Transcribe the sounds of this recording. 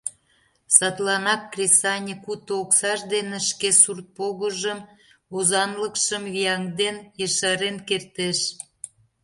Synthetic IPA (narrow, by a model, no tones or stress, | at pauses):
sɑt̪lɑnɑkːrʲesɑnʲekut̪ooksɑʃd̪eneʃkesurt̪̚poɣəʒəm | ozɑnləkʃəmvijɑŋd̪enjeʃɑɾenkert̪eʃ